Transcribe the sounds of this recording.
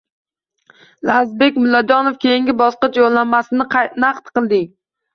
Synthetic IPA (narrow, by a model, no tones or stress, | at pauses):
lazbe̞kʲmʊlːad͡ʒɒnofkʲʰejiŋɡʲɪbɒsqɨt͡ʃjolˠːanmasɪnɪqʰnaqt̪qɨlˠd̪ɪŋ